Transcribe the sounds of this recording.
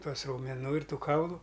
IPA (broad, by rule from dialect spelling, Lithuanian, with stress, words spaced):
ˈtuɔs rɐʊmʲɛˈnuː ɪr ˈtuː ˈkɐʊlˠʊ